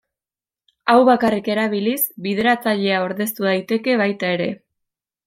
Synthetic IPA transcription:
awβakarike̞ɾaβ̞ilisbið̞e̞ɾat͡saʎe̞aoɾðe̞st̪uðajt̪e̞ke̞βajt̪ae̞ɾe̞

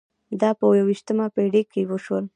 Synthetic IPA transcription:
d̪ɑpəwawiʃt̪əmapeɽikːewəʃwəl

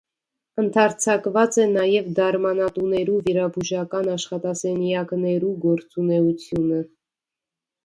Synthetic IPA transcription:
ənt̪ʰɑɾt͡sʰɑkvɑt͡sɛnɑjɛvd̪ɑɾmɑnɑt̪unɛɾuviɾɑbuʒɑkɑnɑʃχɑt̪ɑsɛnjɑknɛɾuɡɔɾt͡sunɛut͡sʰjunə

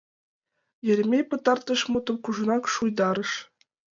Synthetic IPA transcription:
jɘ̆lʲmʲepɤ̆t̪ɑrt̪ɤ̆ʂmut̪ɤ̆mkuʐɤ̆nɑkʂujd̪ɑɾɤ̆ʂ

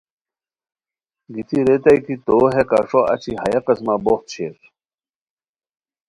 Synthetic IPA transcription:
ɡit̪ʰiɾet̪ɐik̪it̪oːɦekaʂoʔɐ̰t͡ɕʰiɦɐjɐqɐsmaboxt̪̚ɕʰeɾ

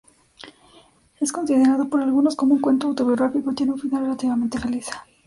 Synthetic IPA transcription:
e̞sko̞nsið̞e̞ɾaðo̞po̞ɾalɣuno̞sko̞moũŋkwe̞nt̪oawt̪o̞βjo̞ɣɾafikot̪je̞neũɱfiðare̞lat̪iβament̪efeliθḁ

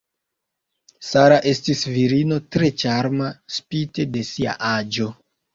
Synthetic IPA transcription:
saɾaʔe̞stisviɾino̞tɾe̞t͡ʃaɾmaspite̞de̞sia̰ʔad͡ʒo̞

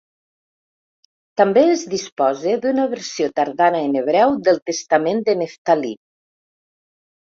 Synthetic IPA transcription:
t̪ambeezðispɔzed̪unəβəɾsiot̪aɾðanəeneβɾɛwd̪əlˠt̪əst̪amend̪əneft̪ali

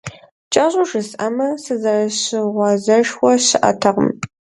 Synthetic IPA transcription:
t͡ʃʼɐɕʼʊʒɨsɐmɐsɨzɐrɐɕɪʁʷɑzɐʃwʷɔɕɪʔɐ̰tʰɐʁə̰m

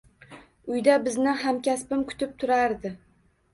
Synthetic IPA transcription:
ʊjd̪abɪznɪɦamkʲaspɪmkʰʊ̥t̪ʰɪp̚t̪ʰʊɾaɾd̪ɪ

